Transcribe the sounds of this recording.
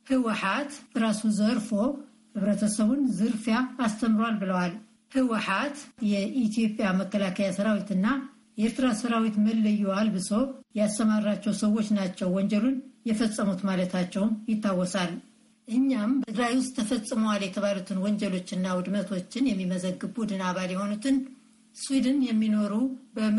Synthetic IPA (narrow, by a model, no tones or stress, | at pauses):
hɨwɨħat̪ɨɾasuzəɾfo̞ | hɨβɾət̪ʰəsəβunzɨɾfjaːst̪ʰəmɾwalbɨləwal | hɨwɨħat̪jɛʔit̪ijo̞pʼjaməkːəlakʰəjasəɾawit̪ɨnːa | jɛeɾt̪ɨɾasəɾawit̪məlːəjːualbɨzojɛast̪əmaɾat͡ʃːɛwsəwːo̞t͡ʃːnat͡ʃːɛwwɔɲd͡ʒɛlunjɛfəsʼːəmut̪malət̪ʰat͡ʃːɛwmjɪt̪ːawːɔsal | ʔɨɲːambət̪ʰɨɡɾajwʊst̪ʰːəfəsʼːɨməwaljɛt̪ʰəβalut̪ʰɨnwɔɲd͡ʒɛlo̞t͡ʃːɨnːawʊd̪mət̪ʰo̞t͡ʃːɪnjɛmːiməzəɡːɨbbud̪ɨnaβaljɛho̞nut̪ʰɨn | swid̪ɨnjɛmːino̞ɾubə